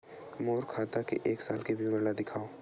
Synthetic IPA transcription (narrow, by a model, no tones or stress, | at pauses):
moːɾkʰaːt̪akḛʔeːksaːlkeʋjuːɾəlad̪ɪkʰaːo